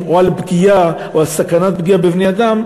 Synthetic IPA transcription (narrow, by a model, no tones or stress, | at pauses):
oalbɡija | oalsakanat̪̚bɡiabevnead̪am